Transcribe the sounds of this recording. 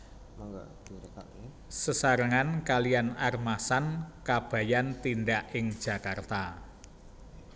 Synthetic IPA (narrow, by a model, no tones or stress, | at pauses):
ŋ | səsaɾəŋankalijanarmasankab̥ä̤jant̪indaʔɪŋd̥ʒ̥ä̤kart̪a